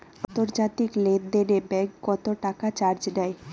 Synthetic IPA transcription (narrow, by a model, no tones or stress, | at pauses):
ant̪oɾd͡ʑat̪ikled̪eɾebɛkːɔt̪oʈakat͡ɕaɾd͡ʑd̪ɛe